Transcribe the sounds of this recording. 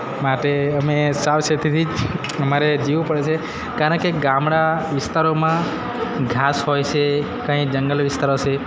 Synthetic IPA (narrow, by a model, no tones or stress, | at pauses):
maʈeəmesaʋsət̪ʰit̪ʰid͡ʒ | əmaɾed͡ʒiʋũpəɽet͡ʃʰe | kaɾəɳkeɡãmɽaʋɪst̪aɾomã | ɡʱasɦojt͡ʃʰe | kãid͡ʒəŋɡəlʋɪst̪aɾot͡ʃʰe